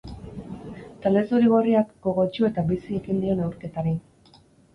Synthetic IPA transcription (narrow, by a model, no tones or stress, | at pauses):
t̪ale̞zuɾiɣ̞oriakɡo̞ɣo̞t͡ʃue̞t̪abisie̞ɣind̪io̞ne̞wɾke̞t̪aɾi